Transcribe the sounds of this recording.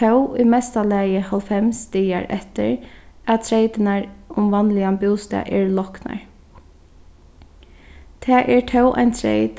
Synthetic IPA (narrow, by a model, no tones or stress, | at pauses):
ɛwimɛst̪alæːjəhalfɛmst̪iːa̰ɹʔɛ̰ht̪ə̰ɹat̪ʰɾeɪt̪ənaɹʊmʋanlɪambʊːst̪a̰ʔɛɹlɔkna̰ɹ | t̪ʰɛːʔɛɹtʰœwʔa̰ɪnt̪ʰɾḛɪt̪